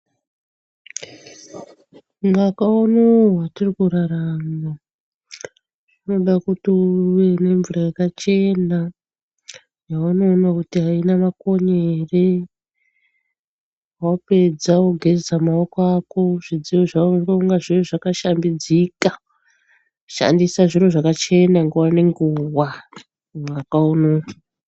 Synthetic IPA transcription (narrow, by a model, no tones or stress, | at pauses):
ŋɡakaunowatirikuɾaɾama | ʐ̥ino̞ɗakutiuʋene̞ɱvuɾajakat͡ʃe̞na | jawano̞ːnakutiɦainamako̞ɲere | wape̞d͡zaoɡʱed͡zamaokoako̞ʐ̥id͡ziwoʐaroŋɡaʐiroʐakaʃambid͡zika | ʃa̰ndisaʐiroʐakat͡ʃe̞naŋɡewane̞ŋɡuːwa | ʋakauno